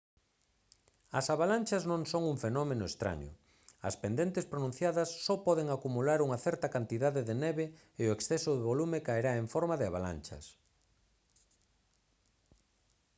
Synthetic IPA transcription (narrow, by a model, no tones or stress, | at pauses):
ɐsaβalanʲt͡ʃɐznõŋsoŋuŋfenɔmenʊest̪ɾa̰ɲʊ̰ | ɐ̰spend̪ent̪ɪspɾonũn̟θjaðɐsːɔpɔðeŋakumulaɾuŋɐθɛɾt̪ɐkant̪iðaðɪðenɛβɪ | eoeksθɛsʊðeβolumɪkaeɾaeɱfɔɾmaðɪaβala̰nt͡ʃɐ̰s